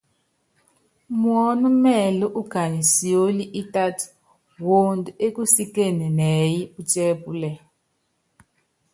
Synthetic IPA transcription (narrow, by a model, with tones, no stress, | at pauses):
mwɔ˦nu˦mɛ˦˨lɔ˦ʔu˦ka˨ni˨si˨o˦li˦ʔi˦ta˦ti̥˨ | wo˦ndu˨e˦ku˦si˦ke˦˨nɛ˨nɛ˨˦ji˦u˦t͡ʃɛ˦pu˦lɛ˨